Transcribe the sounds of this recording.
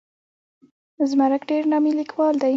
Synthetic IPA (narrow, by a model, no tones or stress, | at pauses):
zmaɾəkɖeɾnɑmilikwɑld̪aj